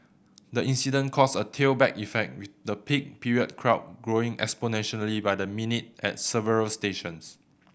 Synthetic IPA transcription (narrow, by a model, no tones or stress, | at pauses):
dəĩnsidə̃nkʰɔsətʰelbɛkifɛk̚t̚wiθdəpʰik̚pʰiɹiəd̚kʰɹaʊt̚ɡɹoɪ̃ŋɛ̰ksponɛ̃nʃəlibajdəminit̚ɛ̰t̚sɛvəɹəlsteʃə̃ns